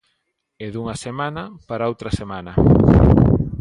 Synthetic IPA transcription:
eðuŋɐsemanɐpaɾaowt̪ɾɐsemanɐ

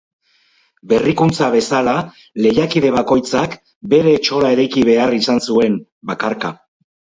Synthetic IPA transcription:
be̞rikunt͡saβe̞sala | le̞jakiðe̞β̞ako̞jt͡sak | be̞ɾe̞t͡ʃo̞lae̞ɾajkiβ̞e̞arisansue̞m | bakaɾka

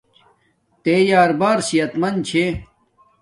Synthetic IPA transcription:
t̪ejaːɾbaːɾsijɐt̪mɐnt͡ɕʰe

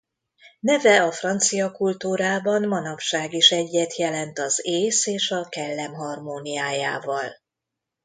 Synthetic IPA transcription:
nɛvɛɒfrɒnt̪sijɒkult̪uːɾaːbɒnmɒnɒpʃaːɡiʃɛɟːɛt̪jɛlɛnt̪ɒzeːseːʃɒkɛlːɛmɦɒrmoːnijaːjaːvɒl

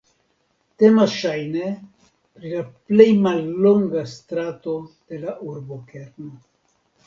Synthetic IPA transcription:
temasʃajne | pɾilaple̞jmalːo̞ŋɡast̪ɾat̪o̞d̪̥e̞laʔuɾbokeɾno

